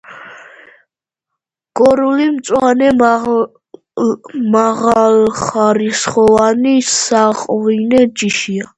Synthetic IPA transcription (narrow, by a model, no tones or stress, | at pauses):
ɡ̥ɔɾulimt̪sʼwanɛ | maʁalχaɾisχɔvanisaqʼvinɛd͡ʒiʃia